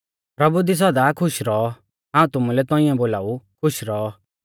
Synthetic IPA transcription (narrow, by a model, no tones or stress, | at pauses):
pɾɐbud̪is̬ɐd̪akʰʊʃɾɔɔ | ɦãːũt̪ʊmulɛt̪ɔ̃ɪ̃ɛ̃boːlaːukʰʊʃɾɔɔ